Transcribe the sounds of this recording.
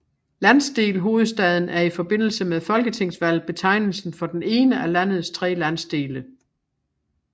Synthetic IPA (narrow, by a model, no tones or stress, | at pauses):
lænsd̥e̝̰ːlɦo̝ːð̞̩ˠsd̥ɛð̞ˠn̩æɐifɒ̽b̥e̝n̰l̩səmeðˠfɒ̽lɡ̥ət͡sʰeŋ̰sʋæl̰b̥e̝t͡sʰɑ̈ɪnl̩sn̩fɒ̽d̥ene̝ːnəælæn̰ð̞̩ˠst͡sʰʁɛ̰ːlæn̰sd̥e̝ːlə